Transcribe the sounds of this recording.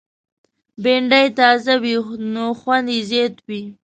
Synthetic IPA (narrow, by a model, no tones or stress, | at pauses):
beɳɖajt̪ɑzawinoxwand̪izet̪wi